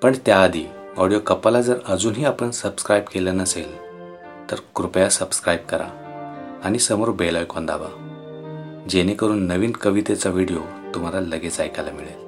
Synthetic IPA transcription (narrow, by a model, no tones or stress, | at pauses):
pəɳt̪jaːd̪ʱiː | ɔɽijokəpalad͡zəɾəd͡zuːnɦiːapəɳsəbskɾajbkelənəsel | t̪əɾkɾupjasəbskɾajb̚kəɾa̰ | añisəmoɾbelɔjkɔnd̪a̰ba̰ | d͡ʑenekəɾuːnːəʋiːnkəʋit̪et͡saʋiɽijo | t̪um̤alaləɡet͡sajkala̰miɭe